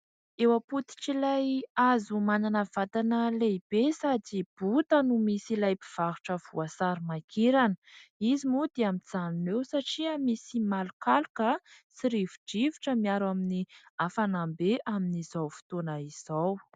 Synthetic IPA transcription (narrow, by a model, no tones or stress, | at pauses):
ewaput̪i̥ʈ͡ʂilajazumananəv̥at̪anəleb̥esad͡zib̥ut̪ənumisilajpiv̥aɾuʈ͡ʂəvuasaɾimakʰeɾanə̥izimud̪eamid͡zaninewsaʈ͡ʂiamisimalukalukəsiɾivuɖ͡ʐivi̥ʈ͡ʂəmiaɾaminiafanambeʔaminizawfi̥t̪onəiz̥aw